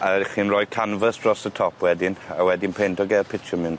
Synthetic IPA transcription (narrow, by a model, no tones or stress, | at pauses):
aχiːnrɔj̚kʰanvəsd̥rɔsətʰɔpʰwɛdɪna̰wɛdɪnpʰentʰɔɡɛpʰɪtʃɔmɪn